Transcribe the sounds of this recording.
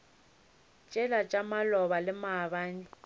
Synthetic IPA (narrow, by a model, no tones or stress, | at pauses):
t͡ʃʼɛlat͡ʃʼamalɔβalɪmabaːɲɪ